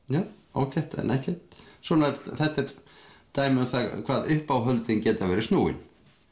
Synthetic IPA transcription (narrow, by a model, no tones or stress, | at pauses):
jaːwo̰wcɛht̪ɛ̰nɛhcɛt̪swɔːnaɾθɛht̪ːɛɾt̪aːjmɪʏθakʰv̥aːðʏhpawɦœlt̪ɪncɛːt̪avɛːɾɪsnuːwɪ̰n